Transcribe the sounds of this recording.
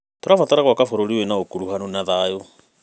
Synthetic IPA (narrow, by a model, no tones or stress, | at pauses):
ttoɾafɔtaɾaɣwakafoɾoɾienaokuɾuhanonaðajo